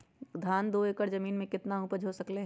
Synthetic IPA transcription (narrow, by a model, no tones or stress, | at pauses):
d̪ʱaːnd̪oːeːkəɾzɐmiːnmẽkɪt̪naupəd͡ʒʱɦosɐkle